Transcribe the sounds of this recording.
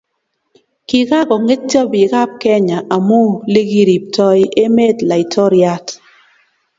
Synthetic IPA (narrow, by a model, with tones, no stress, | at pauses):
ki˨ka˦kɔ˨ŋe˦t̚t͡ʃa˦bi˨ka˦p̚kɛ˦ɲa˨ʔa˨mo˦li˦ɡi˦ɾi˨p̚tɔ˦je˦me˦tla˨i˨tʰɔ˦ɾja˦t